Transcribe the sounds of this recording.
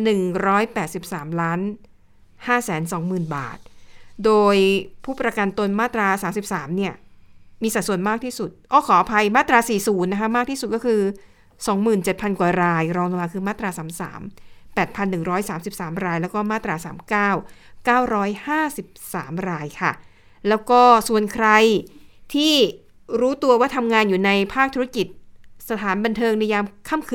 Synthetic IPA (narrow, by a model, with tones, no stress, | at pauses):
nɯ˨˩ŋɾɔː˦˥jpɛː˨˩t̪̚si˨˩p̚saː˩˦mlaː˦˥n | haː˥˩sɛː˩˦nsɔ˩˦ŋmɯː˨˩nba̰ː˨˩t̪̚doː˧jpʰuː˥˩pɾa˧ka˧nt̪o˧nmaː˥˩t̪ɾaː˧saː˩˦msi˨˩p̚saː˩˦mni˥˩ɐmiː˧sa˨˩su˨˩ənmaː˥˩k̚t̪ʰiː˥˩su˨˩t̪̚ʔɔː˥˩kʰɔː˩˦ʔa˧pʰa˧jmaː˥˩t̪ɾaː˧siː˨˩suː˩˦nːa˦˥kʰa˥maː˥˩t̪ʰiː˥˩u˨˩kɔː˥˩kʰɯː˧ | sɔː˨˩˦ŋmɯː˨˩nt͡ɕe˨˩t̪̚pʰa˧nkwaː˨˩ɾaː˧jɾɔː˧ŋt̪a˧aː˧kʰɯː˧maː˥˩t̪ɾaː˧saː˩˦msa̰ː˩˦mpɛː˨˩t̪̚pʰa˧nːɯ˨˩ŋɾɔː˦˥jsaː˩˦msi˨˩p̚saː˩˦mɾaː˧jlɛː˦˥wkɔː˥˩maː˥˩t̪ɾaː˧saː˩˦mkaː˥˩wkaː˥˩wɾɔː˦˥jhaː˥˩si˨˩p̚sa̰ː˩˦mɾaː˧jkʰa˥˩ | lɛː˦˥wkɔː˥˩su˨˩ənkʰɾa˧jt̪ʰiː˥˩ | ɾuː˦˥t̪u˧ɐwaː˥˩t̪ʰa˧mŋaː˧njuː˨˩na˧jpʰaː˥˩k̚t̪ʰu˦˥a˥ki˨˩t̪̚sa˧t̪ʰaː˩˦nba˧nt̪ʰɤː˧ŋni˧jaː˧mkʰa˥˩mkʰː